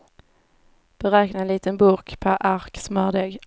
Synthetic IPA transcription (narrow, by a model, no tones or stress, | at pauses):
b̥ɛɾɛːknanliːt̪ənbuːkpʰæɾʔaɾksmœːʁd̪eːɡ